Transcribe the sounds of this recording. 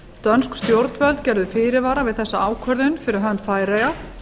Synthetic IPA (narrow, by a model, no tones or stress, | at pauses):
t̪œnskst̪jowɾt̪nvœlt̪cɛɾðʏfɪːɾɪvaːɾavɪðθɛsːaaːwkʰœɾðʏnfɪɾɪɾɦœnt̪faːjɾeja